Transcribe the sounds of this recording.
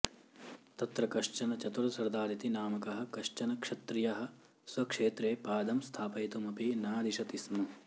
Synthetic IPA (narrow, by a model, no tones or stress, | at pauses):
t̪ɐt̪ɾɐkɐʃt͡ʃɐnɐt͡ʃɐt̪uɾɐsɐɾd̪aːɾit̪inaːmɐkɐɦɐ̆kɐʂt͡ʃɐnɐkʂɐt̪ɾijɐɦɐ̆ | sʋɐkʂeːt̪ɾeːpaːd̪ɐmst̪ʰaːpɐjt̪umɐpinaːd̪iʃɐt̪ismɐ